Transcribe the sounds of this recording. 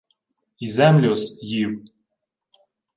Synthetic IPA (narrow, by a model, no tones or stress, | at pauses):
izæmlʲosjiw